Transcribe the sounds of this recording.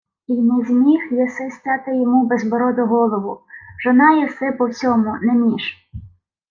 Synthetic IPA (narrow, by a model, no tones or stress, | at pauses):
inɛzʲmʲixjɛsɪsʲtʲɑt̪ɪjɔmubɛzbɔɾɔd̪ʊɦɔlˠɔʋʊʒ̥ɔnɑjɛsɪpɔwt͡sʲɔmʊnemʲiʒ